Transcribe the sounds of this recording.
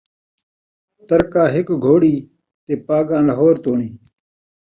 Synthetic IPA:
t̪əɾkaːɦɪkɡʱoːɽiː | t̪eːpaːɡãːləɦoːɾt̪oːɳiː

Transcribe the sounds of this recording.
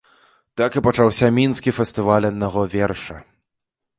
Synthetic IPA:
t̪akɨpɐt͡ʂawsʲamʲinskʲifʲɛst̪ɨvalʲɐd̪naɣɔvʲɛrʂɐ

